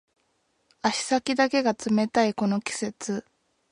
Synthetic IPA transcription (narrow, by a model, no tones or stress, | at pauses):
aɕi̥sakʲid̪ake̞ɡat͡sɨme̞t̪aiko̞no̞kʲi̥se̞t͡sɨ